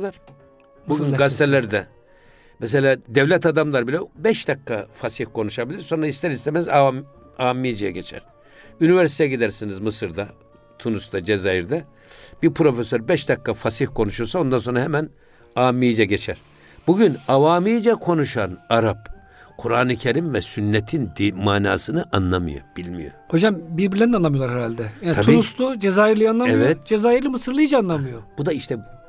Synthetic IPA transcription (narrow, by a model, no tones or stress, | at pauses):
buɡynɡazt̪ʰelʲæɾd̪ɛ | mɛs̬elʲaːd̪evlʲɛt̪ad̪amlˠaɾbilʲɛbɛʃd̪akːafasihkʰo̞nuʃabilʲiɾso̞nɾaist̪ʰɛɾist̪emɛza | aːmːid͡ʒɛjɛɟet͡ʃʰæ̰ɾ̥ | ynivɛɾsit̪ʰɛjɟid̪æɾsinizmɯsɯɾd̪a | t̪ʰunust̪ʰad͡ʒezajiɾd̪ɛ | b̥iɾpʰɾo̞fesøɾbɛʃd̪akːafasihkʰo̞nuʃuɾsao̞nd̪anso̞nɾaɦɛmæn | aːmijd͡ʒɛɟet͡ʃʰæɾ̥ | b̥uɟynavaːmijd͡ʒɛkʰo̞nuʃanaɾap | kʰuɾaːnɯcʰeɾimvɛsynːet̪ʰind̪imaːna̰ːsɯnɯʔanlˠamɯ̰jo̰b̥ilʲmḭjo̰ho̞d͡ʒambiɾbiɾlʲɛnanamjolˠaɾhɛɾalʲd̪ɛjaːnʰabuinust̪ud͡ʒezaːjiɾlʲˠɯjanlˠamɛvɛt̪d͡ʒezaːjiɾlʲimɯsɯɾlˠɯjd͡ʒaːnlˠamɯjob̥ud̪aiʃt̪ʰɛ